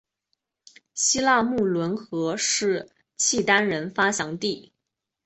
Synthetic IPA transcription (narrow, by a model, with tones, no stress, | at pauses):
ɕi˥la˥˧mu˥˩lwə˧˥nxɤ˧˥ʂɻ̩˥˩ | t͡ɕʰi˥˩t̪a˥nɻə˧˥nfa˥ɕjɑ˧˥ŋt̪i˥˩